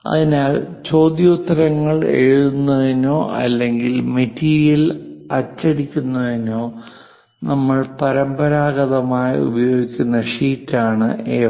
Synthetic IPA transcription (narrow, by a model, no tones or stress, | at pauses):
ɐ̰ðinaɭt͡ɕo̞ːd̪jɐut̪ːɐɾɐŋːɐɭeɻuðunːɐðino̞ːʔɐ̰lːe̞ŋɡilme̞tːiːɾijɐlɐt͡ɕːɐɽikʲːunːɐðino̞ː | nɐmːɐɭpɐɾɐmbɐɾaːɣɐðɐmaːjiṵbɐjo̞ːɡikʲːunːɐʂiːtːaːɳɨ̰eː